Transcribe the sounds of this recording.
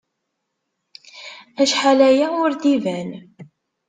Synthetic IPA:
æʃħalæjaʊɾdivæn

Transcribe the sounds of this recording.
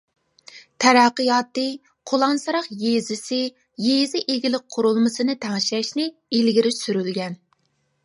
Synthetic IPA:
t̪ʰɛɾɑqːəjɑːt̪ːɨ | qʰolˠɑnsɨɾɑqjezɪsɪ | jezɪʔeɡʲɪlɪk̚ʲqʰʊɾulˠmɨsɨnɨt̪ʰæŋʃɛʃnɪ | ilɡʲiɾɪsyɾylɡʲɛn

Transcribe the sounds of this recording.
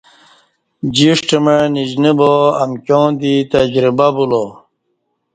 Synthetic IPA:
d͡ʑiʂʈemeɻnid͡ʑniboɐmkʲjõːd̪it̪ɐd͡ʑɾibabulo

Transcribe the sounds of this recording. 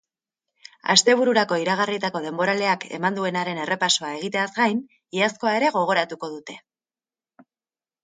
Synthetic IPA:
a̰st̪e̞β̞uɾuɾako̞iɾaɣ̞arit̪ako̞ð̞e̞mbo̞ɾale̞ake̞̰mand̪ue̞naɾe̞ne̞re̞paso̞ae̞ɣ̞it̪e̞azɡajn | iasko̞ae̞ɾe̞ɣ̞o̞ɣ̞o̞ɾat̪uko̞ðut̪e̞̥

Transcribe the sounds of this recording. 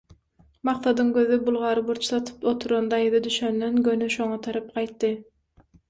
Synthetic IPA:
mɑqθɑd̪ɯŋɡøðybulˠʁɑɾɯbuɾt͡ʃʰθɑt̪ʰɯ̥pot̪ʰuɾond̪ɑjɯðɑd̪yʃønd̪enɡønyʃo̞ŋɑt̪ʰɑɾɑp̚qɑjt̪ːɯ

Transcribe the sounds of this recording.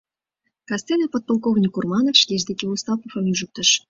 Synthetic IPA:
kɑst̪enɑpot̪̚polˠkoɣnʲikurmɑnofʃlʲeʒd̪ekʲeust̪ɑpofəmyʒə̆k̚t̪ə̆ʃ

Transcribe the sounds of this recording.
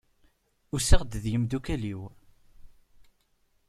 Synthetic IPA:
ʊsəʁd̪ðjəmd̪ukæliw

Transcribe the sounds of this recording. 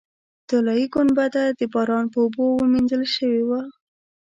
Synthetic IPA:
t̪ʊlɑiɡʊnbad̪ad̪əbɑɾɑnpəobowəminzəlʃəwewa

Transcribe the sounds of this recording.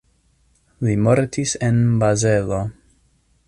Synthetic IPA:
limo̞ɾtisenbaze̞lo̞

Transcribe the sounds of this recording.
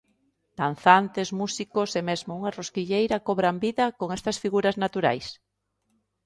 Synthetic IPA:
d̪̥an̟θant̪ezmusikosemezmouŋaroskiʎejɾɐkoβɾambiðɐkoŋɛst̪ɐsfiɣuɾɐznat̪uɾa̰js

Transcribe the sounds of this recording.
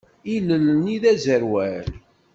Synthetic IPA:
ilələniðæzəɾwæl

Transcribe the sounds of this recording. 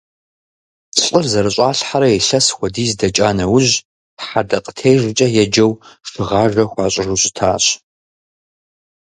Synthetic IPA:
t͡sɬʼɨrzɐɾɨɕʼaːɬħaɾɐɛɬɐsxʷɔdiːzdɐt͡ʃʼaːnɐwʊʑ | ħadɐqʼətʰejʐʷɨt͡ʃʼɐjɛd͡ʒɐwʂɨʁaːʐɐxʷɑːɕʼɪruɕʼɪtʰaːɕ

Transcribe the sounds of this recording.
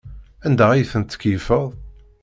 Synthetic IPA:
ænd̪æijθənt̪ːə̥kjəfəðˤ

